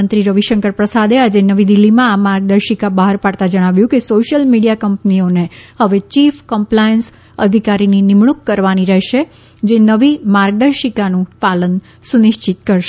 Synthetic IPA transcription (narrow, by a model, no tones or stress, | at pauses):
ənt̪ɾiɾəʋiʃəŋkəɾpɾəsad̪ead͡ʒenəʋid̪ilːimãamaɾɡ̚d̪əɾʃikabaɦaɾpaɽt̪ad͡ʒəɽ̃aʋjũkesoʃjəlmiɽijakəmpnionehəʋet͡ʃifkəmplajəns | ə̰d̪ʱikaɾininɪmɳ̃ukːəɾʋaniɾɛɦʃe | d͡ʒenəʋimaɾɡ̚d̪əɾʃikanũpalən | sunɪʃt͡ʃit̪̚kəɾʃ